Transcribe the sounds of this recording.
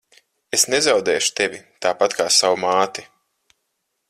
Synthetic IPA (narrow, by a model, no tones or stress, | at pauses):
esnezawd̪ɛːʃu̥t̪evʲit̪aːpat̪kʰaːsawumaːt̪i